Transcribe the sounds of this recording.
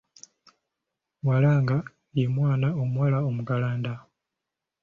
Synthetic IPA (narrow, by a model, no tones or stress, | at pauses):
walaːŋɡa | jemwaːnaomwalaomukalaːnda